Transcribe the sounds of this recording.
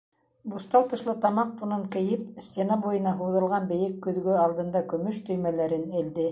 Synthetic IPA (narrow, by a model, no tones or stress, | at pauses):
bust̪ɑlˠt̪ɤ̆ʃlˠɤt̪ɑmɑq̚t̪unɤŋkɘ̆jɘpsʲt̪ʲenɑbujɤ̆nɑɦuðɤ̆lˠʁɑnbɘ̆jɘkːɵ̆ðɡɵɑlˠd̪ɤ̆nd̪ɑkɵ̆mɵʃt̪ɵ̆jmælæɾɘnɘ̆ld̪ɘ